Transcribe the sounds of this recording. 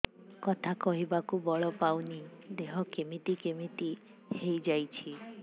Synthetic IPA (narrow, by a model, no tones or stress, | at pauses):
kɔt̪ʰakɔɦibakubɔɭɔpawnid̪eɦɔkemit̪ikemit̪i | hejd͡ʒajt͡ʃʰi